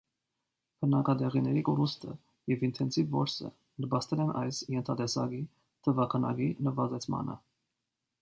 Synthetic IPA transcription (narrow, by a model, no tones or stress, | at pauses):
bʰənɑkɑd̪ɛʁinɛɾikɔɾust̪ʰə | jɛvint̪ʰɛnsivːɔɾsə̰ | nəbɑst̪ɛlɛnʔɑjsjɛnt̪ʰɑt̪ɛsɑɡi | t̪ʰəvɑkʰɑnɑ̰ɡinəvɑzɛt͡sʰmɑ̰nə̰